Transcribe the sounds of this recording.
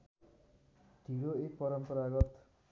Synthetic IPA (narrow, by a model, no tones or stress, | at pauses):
d̪̥ʱiɾoek̚pʌɾʌmpʌɾaɡʌt̪